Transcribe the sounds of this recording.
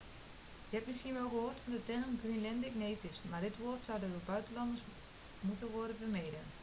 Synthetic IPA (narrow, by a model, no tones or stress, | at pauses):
jəhɛtmɪskiənʋolˠɡəɦoːtfɔndətɛɣənɡrinlɛndɪkneːtɪsmardɪtʋoːrtsɔwdədəbœɥtəlɑndərs | mutənʋɔrdəbəmejdən